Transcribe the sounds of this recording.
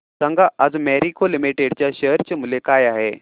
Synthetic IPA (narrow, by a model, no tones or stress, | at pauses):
səŋɡʱaʔad͡zmɛɾikʰolimiʈeɽt͡ɕjaɕəɾt͡ɕəmulekajaɦe